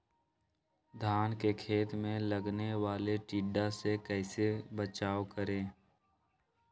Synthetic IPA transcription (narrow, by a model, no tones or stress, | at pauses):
d̪ʱaːnkekʰeːt̪mẽləɡneʋaːleʈiːɖasekɛːsebət͡ʃaːʋkəɾẽː